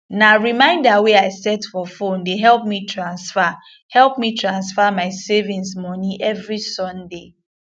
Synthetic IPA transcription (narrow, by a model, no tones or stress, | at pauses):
naɹimãɪ̃ndaweaɪsɛtfɔfõndeɦɛlp̚mitʰɹãnsfa | hɛlˠpmitʰɹãnsfamaɪsevĩnsmɔniʔɛvɹisɔ̃nde